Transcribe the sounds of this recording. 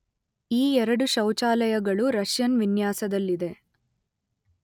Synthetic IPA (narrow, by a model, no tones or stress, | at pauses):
iːɛɾɐɽuʃɐwt͡ʃaːlɐjɐɡɐɭuɾɐʂjɐnʋinjaːsɐd̪ɐlːid̪e̞